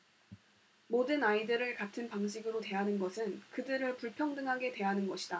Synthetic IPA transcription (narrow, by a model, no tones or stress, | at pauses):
modɯnaidɯɾɯɭkatʰɯnpaŋɕʰiɡɯɾote̞ɦanɯnɡʌsʰɯnkɯdɯɾɯɭpuɭpʰjʌŋdɯŋɦaɡe̞twe̞ɦanɯnɡʌɕʰi̥d̥a